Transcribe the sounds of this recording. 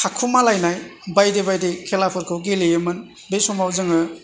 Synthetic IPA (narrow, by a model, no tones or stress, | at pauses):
kʰakʰumalajnajbajdebajdekʰelapʰɯɾkʰɯwɡelejɯmɯn | besɔmawzɯŋɯ